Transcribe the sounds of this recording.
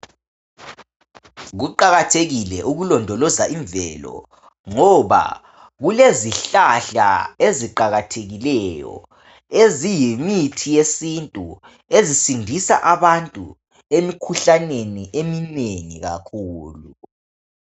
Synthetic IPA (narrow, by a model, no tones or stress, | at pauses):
ɣuǃaɣatʰeɣilɛʔuɣulɔndʱɔlɔzaʔiɱvɛ̰ːlɔ̰ | ŋɔβa̰ | ɣuleziɬaɬa̰eziǃaɣatʰeɣilɛjɔ̰ | ezijimitʰijesintʼu | ezisindʱisa̰ʔaβantʼṵ | emikʰuɬaneniʔemineŋiɣa̰kʰuːlu